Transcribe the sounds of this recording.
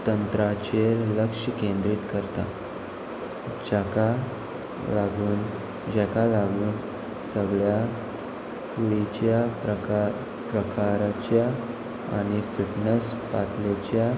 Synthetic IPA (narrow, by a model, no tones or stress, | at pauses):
t̪ənt̪ɾat͡ɕeləkʂəkẽnd̪ɾiːt̪kəɾt̪a | d͡ʑaka | laɡuːn | d͡ʑɛkalaɡuːn | səɡɭja | kuɽit͡ɕjaə | pɾəkaɾat͡ɕja | a̰ɽ̃ifiʈnəs | pat̪let͡ɕja